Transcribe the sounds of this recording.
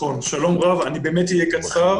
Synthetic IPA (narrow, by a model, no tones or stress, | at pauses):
onʃalo̞mʁavanibeːmet̪ijekat͡sa